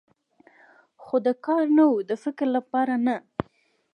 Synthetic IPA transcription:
xod̪əkɑɾnawud̪əfɪkɾlapɑɾana

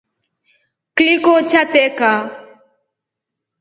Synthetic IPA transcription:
klikot͡ʃat̪eka

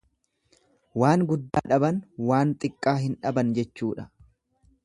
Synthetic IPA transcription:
waːŋɡʊd̪ːaːᶑɐbɐnwaːnt̪ʼɪkʼːaːɦɪnᶑɐbɐnd͡ʒɛt͡ʃːuːᶑɐ̥

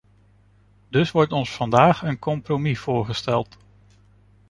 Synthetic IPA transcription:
dɵsʋɔɹtɔnsfɑndaːχənkɔmpromiv̥ʊːɹχəstɛlˠt

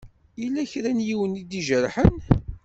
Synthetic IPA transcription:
ilːæçɾænjiwənid̪iʒəɾħən

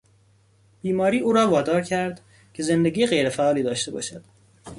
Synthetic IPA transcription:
b̥iːmɒːɾiːʔuːɾɒːvɒːd̪ɒːɾcʰæɾd̪ | cʰe̞ze̞nd̪e̞ɡiːjeɣejɾefæʔɒːliːd̪ɒːʃt̪e̞bɒ̰ːʃæd̪̥

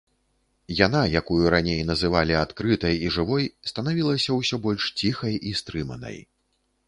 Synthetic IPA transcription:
janajakujuɾanʲejnɐzɨvalʲiat̪kɾɨt̪ɐjiʐɨvɔjst̪ɐnavʲilˠɐsʲɐwsʲɔbɔlʲʂt͡sʲixɐjʔist̪ɾɨmɐ̰nɐ̰j

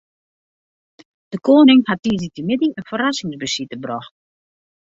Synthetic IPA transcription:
d̥əkoːnɪŋhat̚ːiːzitəmɪdiənfərasɪŋsbəsitəbrɔxt

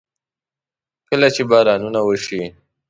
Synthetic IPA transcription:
kəlat͡ʃebɑːɾɑnunawəʃi

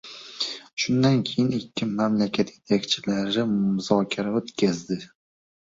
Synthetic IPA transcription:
ʃʊnd̪ankʲʰejɪnɪkʲʰːɪmamlakʲʰat̪je̞t̪ʰakʲt͡ʃʰɪlaɾɪmʊzɒkʲʰaɾaot̪kʲazd̪ɪ

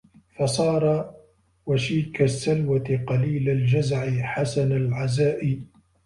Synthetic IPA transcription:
fɑsˤɑːɾˤɑ | waʃiːkasːalwat̪ɪqɑliːlald͡ʒazʕɪħasanalʕazaːʔi

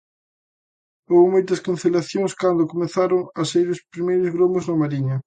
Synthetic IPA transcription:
omomojt̪ɐskan̟θelaθjoŋskand̪ʊkomeθaɾʊŋɐsaiɾʊspɾimejɾʊzɣɾomʊznɐmaɾiɲɐ

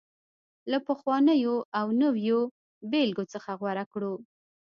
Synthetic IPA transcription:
lapəxwɑnəjoʔawnəwjo | belɡot͡səxaɣwaɾakɽu

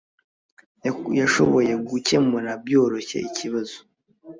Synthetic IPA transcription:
jaʃo̞̰βo̞je̞ɡuce̞munabjo̞ːɾo̞çe̞̰icʰiβazo

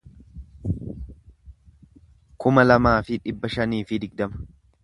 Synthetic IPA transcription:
kʊmɐlɐmaːfɪᶑɪbːɐʃɐniːfɪd̪ɪɡd̪ɐmɐ̥

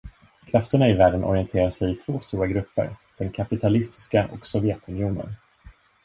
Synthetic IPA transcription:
kʰɾaft̪əɳaɪvæːɖənʔɔ̰ɾɪɛnt̪ʰeːɾasɛjɪt̪ʰvoːst̪uːɾaɡɾɵpːə̰ɾd̪̥ɛnkʰapɪt̪ʰalɪst̪ɪ̥skaʔɔ̰ksɔvjɛt̪ɵnɪjuːnə̰n

